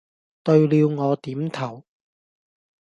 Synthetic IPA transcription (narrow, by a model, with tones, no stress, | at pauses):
t̪ɵ˧ɥliː˨˧wŋɔː˨˧t̪iː˨˥mt̪ʰɐ˨˩w